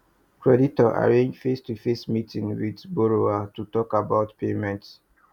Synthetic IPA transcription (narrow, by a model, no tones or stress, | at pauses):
kɹɛditɔʔa̰ɹẽnd͡ʒfestufesmitʰĩŋwidboɹoatutɔkabaʊtpemɛ̃nt